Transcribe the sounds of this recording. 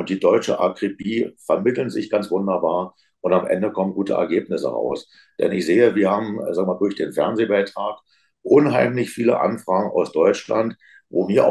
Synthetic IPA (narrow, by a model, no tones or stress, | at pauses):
ʔʊntd̥iːdɔʏt͡ʃəʔa̰kʁ̥ipiːfɛɐmɪtl̩nzɪ̰çɡ̥ant͡sv̥ʊndɐbaːɐ | ʔʊntamʔɛ̰ndəkʰɔmənɡuːtə̰ʔɛ̰ɐɡeːpnɪsə̰ʁa̰ʊs | d̥ɛ̰nɪçz̥eːəviːɐhaːbm̩zaːɡŋəmaːldʊɐçd̥eːnfɛɐnzeːbaɪtʁ̥aːk | ʔʊnɦaɪmlɪçfiːlə̰ʔa̰nfʁ̥aːɡŋ̩a̰ʊsd̥ɔʏt͡ʃla̰nt | vo̰ːmiːɐ